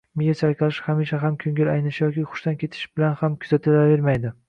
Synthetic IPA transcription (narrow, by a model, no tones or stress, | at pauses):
mejʲat͡ʃʰaɾkʲɑlɪʃhamiʃaɦamkʲʰɵŋʲɪlajnɪʃjɒkʲiχʊ̥ʃt̪ankʲʰe̞t̪ʰɪ̥ʃbɪlanhamkʲʰʊzat̪ʰɪlave̞ɾmajd̪ɪ